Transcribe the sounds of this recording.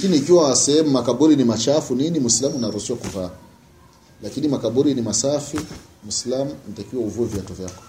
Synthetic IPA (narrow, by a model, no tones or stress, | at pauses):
akiniːkiwasɛhɛmumakaɓuɾinimat͡ʃafuninimwuislamunaɾusiʃwakuvaː | lakinimakaɓuɾinimasafi | mwuislamunatakiwauvuɛviatɔvjakɔ̥